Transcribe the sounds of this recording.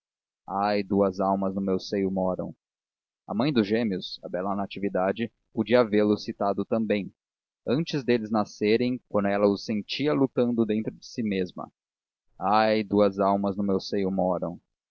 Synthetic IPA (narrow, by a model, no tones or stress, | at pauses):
ajd̪uɐzawmɐznʊmewsejʊmɔɾɐ̰̃w̃ | ɐ̰mɐ̃j̃d̪ʊʒẽmiʊsɐ̰bɛlɐnat͡ʃivid̪ad͡ʒɪ | pod͡ʒiɐaveɾlʊsit̪ad̪ʊt̪ɐ̃mbẽj̃ | ɐ̃nt͡ʃɪzd̪elɪznaseɾẽj̃kwɐ̃nd̪ʊɛlɐʊsẽnt͡ʃiɐlut̪ɐ̃nd̪ʊd̪ẽnt̪ɾʊd͡ʒɪsimezmɐ̰ | ajd̪uɐzawmɐznʊmewsejʊmɔɾɐ̰̃w̃